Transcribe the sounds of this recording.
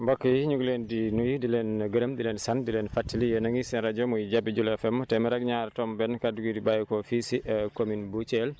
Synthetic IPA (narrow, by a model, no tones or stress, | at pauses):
mbɔkːijiɲuɡlendinujidilɛnɡəɾəmdilɛnsandilɛnfatːilijɛnaŋisɛnɾad͡ʒɔmujid͡ʒabid͡ʒulɛfɛmːtɛmɛɾaɡɲaɾtɔmbɛnkaduɡidibajkɔfisiʔɛkominbut͡ʃɛl